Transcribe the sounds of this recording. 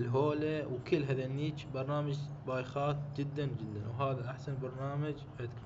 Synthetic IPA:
lɦoːlawkəlːɦaðanːiːt͡ʃbɑɾˤnaːmad͡ʒbaːjxaːt̪d͡ʒɪd̪ːand͡ʒɪd̪ːa̰nwɦaːðaʔaħsanbɑɾˤnaːmad͡ʒʔad̪k

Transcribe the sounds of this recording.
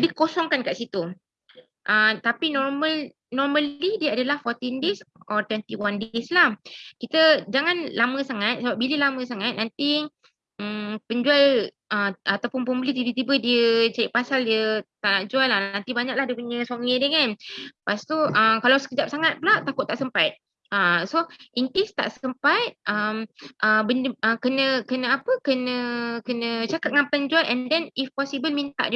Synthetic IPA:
dikosɔŋkankaʔsit̪u | ʔəmt̪apinɔrməl | nɔrməlidiəadalahfɔrt̪indesʔɔt̪wɛnt̪iwandeslahkit̪əd͡ʒaŋanlamə̃saŋat̪̚səbap̚biləlamə̃saŋat̪̚nant̪i | əpəɲd͡ʒual | əmat̪awpʊnpəmbəlit̪ibət̪ibədiət͡ʃaɾiʔpasaldiət̪aʔnaʔd͡ʒuallahnant̪ibaɲak̚lahdiəpuɲəsoŋədəŋanpast̪uʔəmkalawsə̥kəd͡ʒap̚saŋat̪̚bəlaʔt̪akʊt̪ːaʔsəmpat̪̚ | əsoʔiŋkest̪a̰ʔsəmpat̪̚ʔəmʔəbəndəkənə̃kənə̃apəkənə̃kənə̃t͡ʃakat̚ŋãnpənd͡ʒualʔɛndɛnifpɔsibəlmint̪a̰ʔdi

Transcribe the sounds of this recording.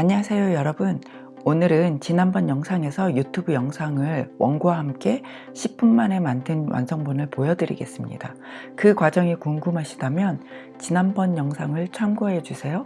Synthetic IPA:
aɲiɦasʰe̞jojʌɾʌbɯn | onɯɾɯnt͡ɕinanbʌnjʌŋsʰaŋe̞sʰʌjutʰubujʌŋsʰaŋɯɭwʌ̰ŋɡuwahamk͈e̞ | ɕʰip̚p͈unmane̞mandɯnwa̰nsʰʌŋbonɯɭpojʌdɯɾḭɡe̞s͈ɯmɲḭda | kɯkwad͡ʑʌŋikoŋɡumɦaɕʰi̥damjʌn | t͡ɕinanbʌnjʌŋsʰaŋɯɭt͡ɕʰwamɡuɦe̞d͡ʑusʰe̞jo

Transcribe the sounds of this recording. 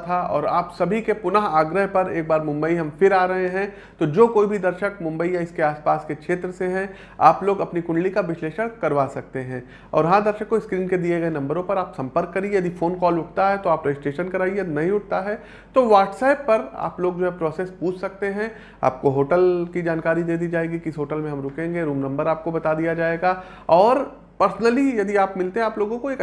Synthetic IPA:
t̪ʰaɔ̰ːɾa̰ːpsɐbʱikepʊnəɦaːɡɾəɦpɐɾeːk̚baːɾmʊ̃mbəiɦɐ̃mfɪɾaːɾɐɦeɦɛ̃ | t̪od͡ʒoːkoːibʱid̪ɐɾʃək̚mʊ̃mbəijaɪskeaːspaːskekʃʰeːt̪ɾəseɦɛ̃ | a̰ːploːɡɐpnikʊ̃ɳɖlikaʋɪsleːʃəɽkɐɾʋaːsɐk̚t̪eɦɛ̃ː | ɔ̰ːɾɦãd̪ɐɾʃəkːoɪskɾiːnked̪ieɡɐenɐ̃mbəɾõpɐɾaːpsɐ̃mpəɾkːɐɾiejɐd̪iːfoːnkɔːlʊʈʰt̪aɦɛt̪oaːpɾɐɪsʈeːʃənkɐɾaːienɐɦĩʊʈ̚t̪aɦɛ | t̪oʋaːʈsaːɪpːɐɾa̰ːploːɡd͡ʒoːɦɛpɾɔːseːspuːt͡ʃʰsɐk̚t̪eɦɛ̃ | a̰ːp̚koɦoːʈəlkid͡ʒaːnkaːɾid̪eːd̪id͡ʒaːeːɡikɪsɦoːʈəlmẽɦɐ̃mɾʊkẽːŋɡeɾuːmnɐ̃mbəɾaːp̚kobɐt̪ad̪ijad͡ʒaːeːɡa | ɔːɾ | pɐɾsnəlijɐd̪iaːpmɪlt̪eɦɛ̃aːploːɡõkoeːk

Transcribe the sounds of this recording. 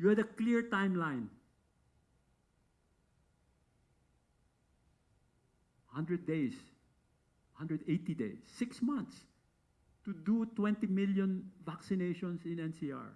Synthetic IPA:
juɛd̪ɐklɪɹt̪ãj̃mlãj̃n | hʌ̃nd̪ɹɛd̪̚ːejs | hʌ̃ndɹɛd̪et̪id̪ḛɪsːɪksmʌ̃nt̪s | t̪ud̪ut̪wɛ̃nt̪imɪljɔ̃nvaksɪnejʃɔ̃nsɪ̃nɛ̃nsia̰ɹ

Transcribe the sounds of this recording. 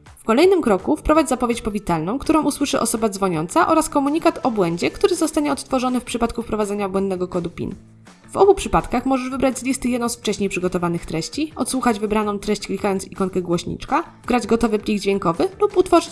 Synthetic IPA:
fkɔlɛjnɘmkɾɔkufpɾɔvad͡ʑzapɔvʲjet͡ɕpɔvʲit̪alnɔ̃w̃kt̪uɾɔ̃w̃uswɘʂɘʔɔ̰sɔbad̪zvɔɲɔnt̪saʔɔɾaskɔmuɲikat̪ɔbwɛɲd͡ʑɛkt̪uɾɘzɔst̪aɲɛɔt̪st̪fɔʐɔnɘfpʂɘpat̪̚kufpɾɔvad̪zɛɲabwɛnd̪nɛɡɔkɔd̪upʲḭn | vɔ̰bupʂɘpat̪kaxmɔʐɛʐvɘbɾad͡ʑzlʲist̪ɘjɛd̪nɔ̃w̃sft͡ʂɛɕɲejpʂɘɡɔt̪ɔvanɘxt̪ɾɛɕt͡ɕiɔ̰t̪swuxad͡ʑvɘbɾanɔ̃w̃t̪ɾɛɕt͡ɕklʲikajɔnt̪sikɔŋkɛɡwɔɕɲḭt͡ʂka | ɡɾad͡ʑɡɔt̪ɔvɘplʲiɡd͡ʑvʲjeŋkɔvɘluput̪fɔʐɘt͡ɕ

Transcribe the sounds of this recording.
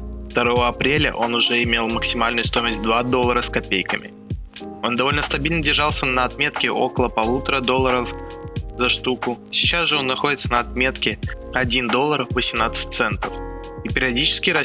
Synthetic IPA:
ft̪ɐɾo̞vəɐpɾʲelʲə̰ʔo̞nʊʐɛɪmʲe̞lˠməksʲɪmalʲnʊjʊst̪o̞jməsʲt̚ʲd̪vad̪o̞lˠːəɾəskɐpʲejkəmʲɪ̰ | o̞nd̪ɐvo̞lʲnəst̪ɐbʲilʲnədʲɪrʐɑlˠsʲənəɐt̪mʲe̞t̪kʲɪʔo̞̰kəlˠəpɐlˠut̪əɾəd̪o̞lˠːəɾəfzɐʂt̪ukʊ | sʲɪt͡ɕasʐɨo̞nːɐxodʲɪt̪sənəɐt̪̚mʲe̞t̪kʲɪɐdʲind̪o̞lˠːərvəsʲɪmnat̪sɨ̥t̚ʲt̪sɛnt̪əf | ipʲɪɾʲɪɐdʲit͡ɕɪ̥skʲɪɾɐ

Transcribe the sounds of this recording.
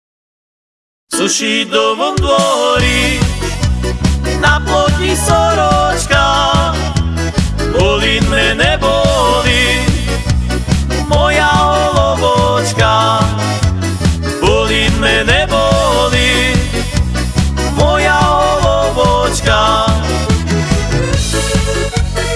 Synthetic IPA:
suʃid̪ɔʋonɡ̪lɔɾi | napok̪isoɾot͡ʃka | bolimɛnɛboli | mɔjaɔlɔbɔt͡ʃka | bɔlinmɛnɛbɔli | mɔjaɔlɔbɔt͡ʃka

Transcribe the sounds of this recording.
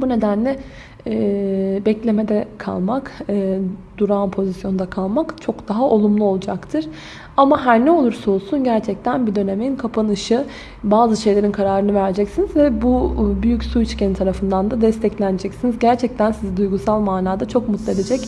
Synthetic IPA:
bune̞d̪ænlʲɛ | ɛbɛclʲe̞me̞d̪ɛkʰa̰lˠmakː | d̪̥uɾaːnpʰo̞zisjo̞nd̪akʰalˠmakt͡ʃʰo̞kd̪aɦaʔo̞lˠumlˠuo̞lˠud͡ʒakt̪ʰɯɾ̥ | amaɦæɾnɛo̞lˠuɾsolˠsunɟæɾt͡ʃʰɛc̚t̪ʰænbid̪ø̞ne̞minkʰapʰanɯʃɯ | baːzɯʃe̞jlʲe̞ɾinkʰaɾaːɾɯnɯvæɾd͡ʒɛcsinizvɛbubyjycsuit͡ʃcʰenit̪ʰaɾafɯnd̪and̪ad̪ɛst̪ʰɛclʲænd͡ʒɛcsinizɟæɾt͡ʃʰɛc̚t̪ʰænsizid̪ujɡusalˠmaːnaːd̪at͡ʃʰo̞kmut̪lˠɯe̞d̪ed͡ʒɛc

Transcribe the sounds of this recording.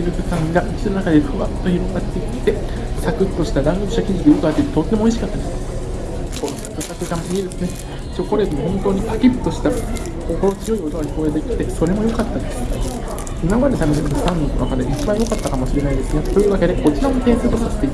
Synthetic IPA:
iɾɯ̟kɯkãŋɡaʔikʲi̥t̪eɾɯnakad̪e̞ɸɯβat̪ːo̞iɾonːaːet̪ːe̞sakɯ̟t̪ːo̞ɕi̥t̪ad̪ãŋɡɯoɕi̥t̪akʲid͡ʑid̪ejokɯ̟at̪ːeit̪ːet̪ot̪ːe̞moiɕ̬ikat̪ːad̪es | konosḁkɯsakɯ̟kamoseɡʲiɾsɨne | soko̞ɾet̪mohõ̞nt̪o̞ːɲ̟ipakʲi̥t̪ːo̞ɕi̥t̪a | kokoɾot͡sɨjo̞iko̞t̪oɡai̥ko̞ːet̪ekʲi̥t̪e̞so̞ɾe̞mo̞jo̞kat̪ːand̪esɨne | imamaɾet̪ameɕimɯnost̪ãnd̪oβa̰kaɾeit͡ɕibãɰ̃jo̞kat̪ːakamoɕiɾe̞naid̪e̞sɨɡ̪at̪o̞jɯ̟ːβake̞d̪e̞ko̞t͡ɕiɾaot̪ẽ̞sɨːt̪osase̥t̪ːei

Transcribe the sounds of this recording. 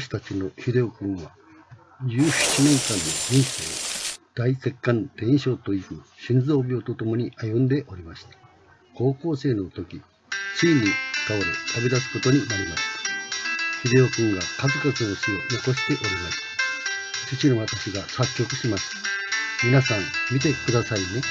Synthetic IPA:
ɕi̥t̪at͡ɕino̞çid̪e̞okɯ̟̃ɰ̃βa | d͡ʑɨːɕi̥t͡ɕinẽ̞ŋkãnːo̞d͡ʑĩɰ̃se̞̰ːd̪̥aise̞kːãnt̪ẽ̞ɰ̃ɕo̞ːt̪o̞ikɯ̟ɕĩnd͡zo̞ːbʲoot̪o̞t̪o̞mo̞ɲ̟iʔajɯ̃nd̪e̞ʔo̞ɾʲimaɕi̥t̪ḁ | ko̞ːko̞ːse̞ːno̞t̪o̞kʲi | t͡sɨinʲːi̥k̪aβoɾḛt̪ʰabed̪asɨ̥ko̞t̪o̞ɲ̟inaɾʲimaɕi̥t̪ḁ | çʲid̪e̞o̞kɯ̟̃ŋɡakazɨkot͡sɨno̞ɕio̞no̞ko̞ɕi̥t̪e̞ʔo̞ɾʲimasɨ̥ | t͡ɕit͡ɕinoβat̪aɕiɡasakʲːo̞kɯ̟ɕimasɨ̥mʲinasãmmʲit̪e̞kɯ̟d̪asaine̞

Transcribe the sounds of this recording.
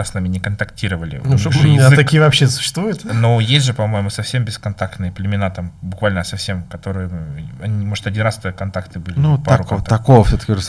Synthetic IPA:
asnamʲɪnʲɪkənt̪ɐktʲiɾəvəlʲɪ̰nuʐjɪzɨt̪ɐkʲijəvɐpɕːesʊ̥ɕːɪst̪vujʊt̪nojesʲʐɨpɐmo̞jɪmʊsɐfsʲe̞mbʲɪskɐnt̪akt̪nɨjəplʲɪmʲɪnat̪ambʊkvalʲnəsɐfsʲemkɐt̪o̞ɾɨjəɐnʲimo̞ʐɨ̥t̪ɐdʲinɾast̪əkɐnt̪akt̪ɨbɨlʲnupɐɾuɐkovəfsʲot̪ə̥kʲɪʐɨs

